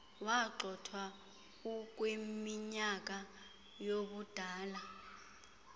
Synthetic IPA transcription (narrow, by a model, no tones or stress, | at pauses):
waǃɔtʰwa | uk̬ʼwemiɲak̬ʼa | joɓud̥ʱaːla